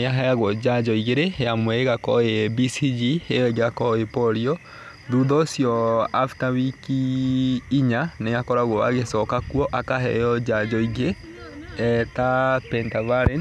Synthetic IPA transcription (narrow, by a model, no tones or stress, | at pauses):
ejaɦɛjaɣwɔd͡ʑad͡ʒɔiɣeɾejamwɛeɣakɔebisid͡ʒiejɔeɣeakɔepɔɾiɔ | ðuðɔsjɔaftaβikiː | ɲanejakɔɾaɣwɔaɣesɔkakuɔʔakaɦɛ̰jɔd͡ʒad͡ʒɔiɣe | ɛtapɛntavaɾɛn